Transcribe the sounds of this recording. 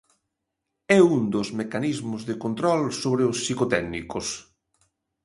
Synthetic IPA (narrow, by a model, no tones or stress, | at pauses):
ɛund̪ozmekanizmʊzðɪkont̪ɾɔlsoβɾeʊsːikot̪ɛɡnḭkos